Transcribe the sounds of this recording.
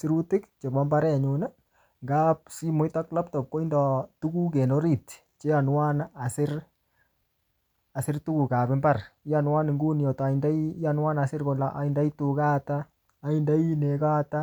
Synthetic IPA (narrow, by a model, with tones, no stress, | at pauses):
sɪ˨ɾu˦tɪ˦kt͡ʃe˨bɔ˦mba˦ɾɛ˦˨ɲʊna˦ | ŋɡa˦p̚si˦mʊ˦jta˦kla˦p̚tɔ˨p̚ko˦i˦ndɔtu˦ku˦k̬e˨no˦ɾi˨t | t͡ʃe˦ja˨nwa˦na˨sɪ˦ɾ | a˨sɪ˦rtu˦ku˨ka˨pɪ˦mbarja˨nwa˦ni˨ŋɡu˦n˨ɔ˨ta˨inda˦anwa˦na˨sɪ˦ɾko˨laʔa̰˨i˨nda˦ituka˦taː˨ | i˦nda˦i˦ne˨ka˦ta